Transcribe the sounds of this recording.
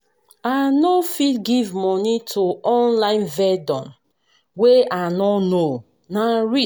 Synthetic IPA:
anofidɡivmɔnitʰuɔ̃nlãɪ̃nvɛdɔ̃n | weanɔno | naɹi

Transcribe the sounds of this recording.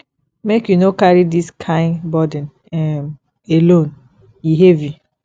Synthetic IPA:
mekjunokaɾidiskʰãɪ̃nbɔdɛ̃n | ɛm | elõn | iɦevi

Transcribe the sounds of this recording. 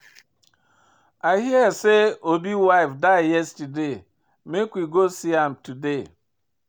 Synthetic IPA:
aɪhiɛseobiwaɪfdaɪjɛstəde | mekwiɡosiãmtude

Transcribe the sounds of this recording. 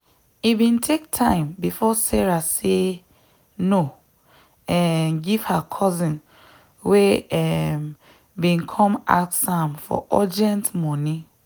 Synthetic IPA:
ibĩntʰek̚tʰãɪ̃mbifɔsɛɹase | no | ɛnɡiv̥hakʰɔzĩn | weɛm | bĩnkʰɔ̃ma̰tsãmfɔ̰ʔɔdɛ̃ntmɔ̃nĩ

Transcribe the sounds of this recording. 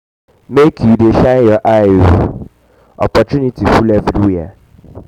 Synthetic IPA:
mekʰjudeʃajɔʔao | ɔ̰pɔtunitʰifulɛfwia̰

